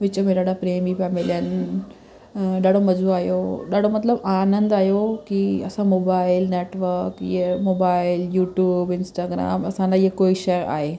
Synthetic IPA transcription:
ʋɪt͡ɕomẽɗaːɽapɾeːmipaːmɪljən | ɗaːɽomɐzuaːjoɗaːɽomɐt̪ləbaːnə̃nd̪aːjokiɐsãmoːbaːɪlneːʈʋəɾkjemoːbaːɪljuːʈjuːbɪnsʈaːɡɾa̰ːmɐsãnd̪ajekoːiʃeːɾa̰ːɦeː

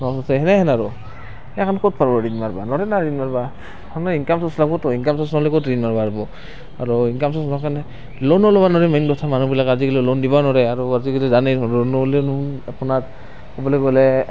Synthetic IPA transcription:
nasɔtɛɦɛnɛɦɛnaɹɔ | ɛkʰankɔt̚pʰaɹbɔɹinmaɹbanɔɾɛnaɹinmaɹba | ɔnɔiŋkamsɔslakɔtɔiŋkamsɔsnɔlɛkɔtɹinmaɹbaɹbɔ | aɹuiŋkamsɔsnɔkanɛ | lɔnɔlɔbanɔɹɛmadɔtʰamanubilakazikelɛlɔndibanɔɾɛaɹuazikelɛzaneɹɔnɔlɛnunapunat | kɔbɔlɛɡɔlɛ

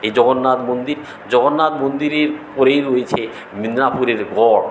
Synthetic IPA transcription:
ejd͡ʑɔɡonːat̪mond̪iɾ | d͡ʑɔɡonːat̪mond̪iɾeɾpɔɾejɾojet͡ɕʰe | minɾapuɾeɾɡʱɔɽ

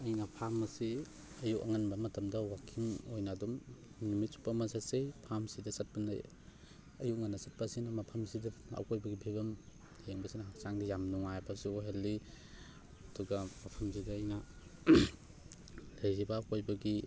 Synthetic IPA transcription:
ɐjnɐpʰamɐsi | ɐjukɐ̰ŋɐnbɐmɐtɐmdɐwakʰimojnadum | numit̚su̥pɐmɐsasejpʰamsidɐsɐt̚pɐna̰j | ɐjuk̚ŋanːɐsɐt̚pɐsinɐmɐpʰɐmsidɐɐ̰kojbɐɡibʰʱibɐm | heŋbɐsinɐɦasaŋdijamnuŋajbɐsioɦelːi | ɐduɡɐmɐpʰɐms̬idɐːjnɐ | lɐjɾibɐːkojbɐɡi

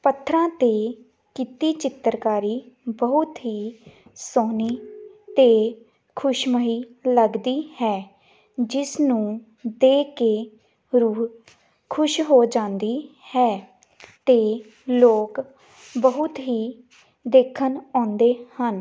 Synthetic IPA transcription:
pət̪ʰɾãːt̪eː | kiːt̪iːt͡ʃɪt̪ːəɾkaːɾiːbəɦʊt̪ɦiːsoːniːt̪eː | kʰʊʃməɦiːləɡd̪iːhɛː | d͡ʒɪsnũː | d̪eːkeː | ɾuː | kʰʊʃɦoːd͡ʒãːnd̪iːhɛː | t̪eː | loːk | bəɦʊt̪ɦiː | d̪eːkʰənɔ̃ːnd̪eːhən

